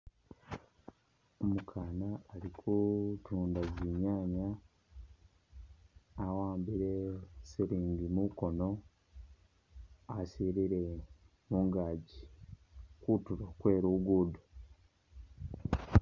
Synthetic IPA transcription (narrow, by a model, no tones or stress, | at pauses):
omukʰaːnaːɾikʰutuːndaɟiɲaːɲa | awaːmbiɾe̞siɾiːɲɡimuko̞no̞ | siɾiɾe | muːŋɡaːɟi | kutuɾokwe̞ːɾuɡudu̥